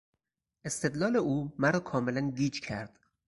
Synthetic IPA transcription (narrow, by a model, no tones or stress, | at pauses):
ʔest̪e̞d̪lɒːleʔuːmæɾɒːkʰɒːmelænɡiːd͡ʒcʰæɾd̪̥